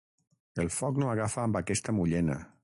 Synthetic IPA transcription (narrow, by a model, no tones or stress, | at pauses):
elˠfɔknoaɣafəːmbakɛst̪əmuʎɛnə̰